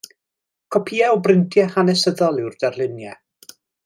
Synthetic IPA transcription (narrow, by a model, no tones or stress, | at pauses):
kʰɔpʰiːɛɔbrɪntʰjɛhanɛsəðɔlˠɪwrd̥arlˠɪnjɛ̰